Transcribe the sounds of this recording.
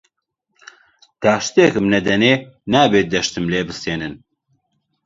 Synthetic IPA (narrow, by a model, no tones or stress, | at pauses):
d̪̥aːʃt̪ekɨmnɛd̪ɛneːnaːbeːd̪ɛʃt̪ɨmleːbɨseːnɨn